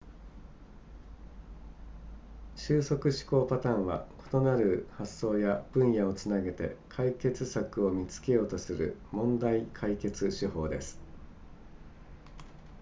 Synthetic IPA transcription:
ɕɨːso̞kɯ̟ɕi̥ko̞ːpat̪ãɰ̃βa̰ko̞̥t̪o̞naɾɯ̟hasːo̞ːjab̥ɯ̟̃ɰ̃jao̞t͡sɨnaɡe̞t̪e̞̰kʰaike̞t͡sɨsakɯ̟o̞mʲit͡sɨ̥ke̞jo̞ːt̪o̞sɨɾɯ̟̰mõ̞nd̪aikʰaike̞t͡sɨɕiɦo̞̰ːd̪e̞sɨ̥

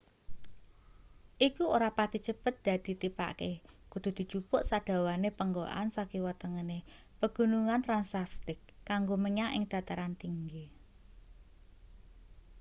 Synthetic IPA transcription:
ʔikuoɾapad̪̥it͡ʃəpət̪̚d̪̥a̤d̪̥i̤t̪ipa̰ʔkekud̪̥ṳd̪̥i̤t͡ʃupʊʔsad̪̥a̤wanepəŋɡoʔa̰nsakiwət̪əŋəne | pəɡ̥ṳnuŋant̪ɾansast̪ɪkːaŋɡoməɲaʔɪ̰ŋd̪̥a̤t̪aɾant̪iŋɡe

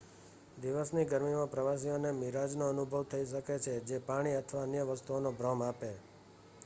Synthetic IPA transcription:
d̪iʋəsniɡəɾmimãpɾəʋas̬ionemiɾad͡ʒnoənubʱəʋt̪ʰəiʃəket͡ʃʰed͡ʒepaɽ̃iət̪ʰʋaənjəʋəst̪uonobɾɔmape

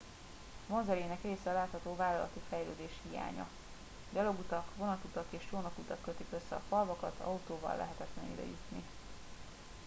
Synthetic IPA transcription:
monzɛɾeːnɛkreːsɛːlaːt̪hɒt̪oːvaːlɒlɒ̰t̪ifɛjløːd̪eːʃhija̰ːɲɒ̰ | ɟɒlo̞ɡut̪ɒkʋo̞nɒt̪ut̪ɒkeːʃjoːnɒkut̪ɒkːøt̪ikøsːɛ̰ɒfɒlvɒkɒt̪ʰɒ̰ut̪oːvɒ̰lːɛ̰ɦɛt̪ɛt̪lɛniy̰d̪ɛ̰jut̪ni

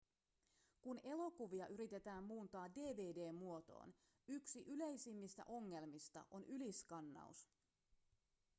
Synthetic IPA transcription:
kune̞lo̞kuʋiɑʔyɾit̪e̞t̪æːmːuːnt̪ɑːde̞ːʋe̞ːde̞ːmːuo̞t̪o̞̰ːn | yksiʔyle̞jsimːist̪æ̰ʔo̞ŋːe̞lmist̪ɑ̰ʔo̞nʔyliskɑnːɑ̰ṵs

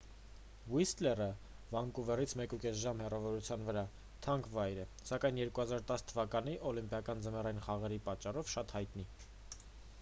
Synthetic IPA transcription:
vwist̪lɛrə | vɑŋkuvɛrit͡sʰmɛkukɛsʒɑmhɛrɑvɔɾut͡sʰjɑnvəɾɑ | t̪ʰɑŋkʰvɑjɾɛ | sɑkɑjnjɛɾkuhɑzɑɾt̪ɑst̪ʰəvɑkɑn̪iʔɔlimpjɑkɑnd͡zəmɛrɑjinχɑʁɛɾipɑt͡ʃːɑrɔvʃɑt̪hɑjt̪ni

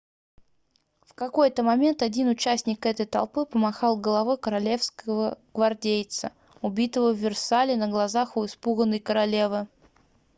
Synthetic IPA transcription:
fkɐko̞jt̪əmɐmʲe̞nt̪ɐdʲinʊt͡ɕæsʲnʲɪkɛt̪əjt̪ɐ̰lˠpɨpəmɐxɑlˠɡəlˠɐvɨkəɾɐlʲe̞fskəvəɡ̥vɐrdʲejt̪sə | ʊbʲit̪əvəvːʲɪrsalʲɪnəɡlˠɐzaxʊɪspuɣənːəjkəɾɐlʲe̞vɨ

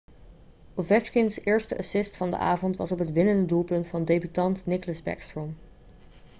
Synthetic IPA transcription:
ovɛt͡ʃkɪŋsɪːɹstəʔɑsɪstfɑndə̰ʔa̰ːvɔntʋɑ̰sɔpɦətʋɪnəndədulˠpɵntfɑndejbytɑntnɪkləzbɛ̰kstɹɔm

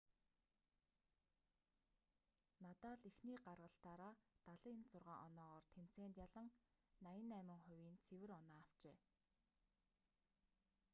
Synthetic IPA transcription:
nat̪aːɮixniːɢarʁə̆ɬt̪aːɾaːt̪aɮə̆ɪnt͡sʊrʁaːŋʔɔnɔːʁɔːrt̪ʰem̥t͡seːnt̪jaɮə̆ŋ | najɪ̆næːmə̆ŋχʊwʲiːnt͡sʰewɘ̆rɔnaːaw̥t͡ɕeː

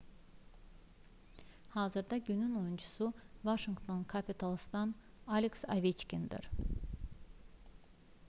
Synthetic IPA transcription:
haːzɯɾd̪ɑɟynynojunt͡ʃʰu̥suvaʃiŋkt̪ʰonkʰapʰit̪ʰalˠst̪an | alʲeksa̰vit͡ʃcʲind̪ḭɾ̥

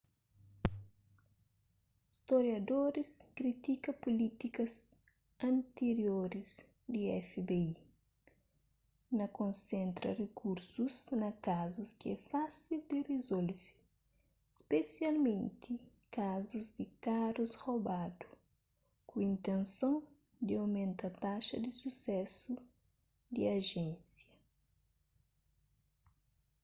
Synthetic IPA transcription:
ist̪oɾjɐd̪oɾiskɾit̪ikɐpolit̪ikɐs | ɐ̃nt̪eɾjoɾiz | d̪iɛfebei | nɐkõnsẽnt̪ɾɐ̰rekuɾsuznɐkazuskiɛfasild̪irezolvi | spesjalmẽnt̪i | kazuzd̪ikaɾushobad̪u | kuĩnt̪ẽnsõ | d̪iawmẽnt̪ɐt̪aʃɐd̪isusɛsu | d̪iaʒẽnsjɐ

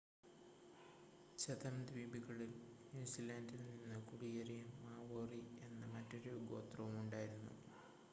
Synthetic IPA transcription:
t͡ɕɐðɐmd̪ɾiːbiɣɐɭilniːsilaːndilnninːɨkuɽijɐɾijumːaːʋoːrie̞nːɐmɐtːo̞ɾuɡo̞̰ːt̪rɐʋumuɳɖaːjiɾunːṵ

